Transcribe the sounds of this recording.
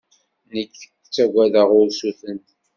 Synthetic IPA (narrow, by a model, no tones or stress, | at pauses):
nəkː | t͡sːæɡʷæðəʁʊɾsuθənt̪